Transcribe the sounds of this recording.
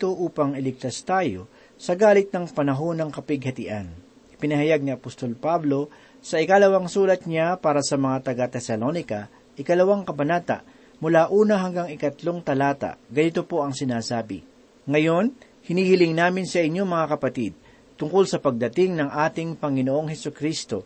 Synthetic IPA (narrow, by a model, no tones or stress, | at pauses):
t̪oʔuːpɐŋɪlɪk̚t̪ɐst̪aːjo̞ | sɐɡaːlɪt̪̚nɐŋpɐnɐɦo̞nɐŋkɐpɪɡ̚hɐt̪ɪʔan | ʔɪ̥pɪnɐhɐjaɡ̚nɪɐpost̪o̞lpablo̞ | sɐʔɪkalɐwaŋsuːlɐt̪̚ɲapaːɾɐsɐmɐŋat̪ɐɡat̪ɛsɐlo̞nɪkɐ | ʔɪkɐlɐwaŋkɐbɐnaːt̪ɐ̰ʔ | mʊlaʔuːnɐɦɐŋɡaŋɪkɐt̪lo̞ŋt̪ɐlaːt̪a̰ʔɡɐnɪt̪o̞po̞ʔɐŋsɪnaːsaːbɪ̰ | ŋɐjo̞n | hɪniːhɪlɪŋnaːmɪnsɐʔɪɲːo̞mɐŋakɐpɐt̪id̪̚ | t̪ʊŋko̞lsɐpɐɡ̚d̪ɐt̪ɪŋnɐŋʔaːt̪ɪŋpɐŋɪnoʔo̞ŋhɛsʊkɾist̪o̞̰